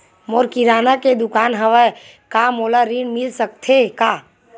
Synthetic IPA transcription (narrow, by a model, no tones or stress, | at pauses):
moːɾkiɾaːnaked̪ʊkaːnɦəʋəe | kamoːlaɾinmɪlsək̚t̪ʰekaː